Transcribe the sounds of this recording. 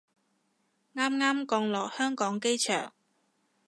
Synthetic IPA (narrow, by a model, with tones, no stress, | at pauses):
ŋaː˥mŋaː˥mkɔː˧ŋlɔː˨˩k̚hœː˥ŋkɔː˨˥ŋke˥jt͡ʃʰœ̰ː˨˩ŋ